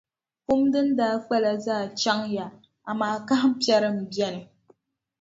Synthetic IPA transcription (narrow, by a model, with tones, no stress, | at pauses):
ku˦mdɨ˦n̩˦daː˦k͡pɛ˦la˨zaː˦˨t͡ʃa˦ŋja˨ | a˨maː˦˨ka˦hm̩˦pi˦ɛ˦ɾɨ˦m̩˨bɛ˦nɨ˨